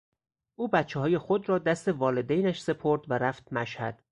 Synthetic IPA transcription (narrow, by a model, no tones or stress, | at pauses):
ʔuːbæt̪t͡ʃʰːeɦɒːje̞xod̪ɾɒːd̪æst̪e̞vɒːle̞d̪ejnæʃse̞pʰoɾd̪væɾæft̪̚mæʃhæd̪̥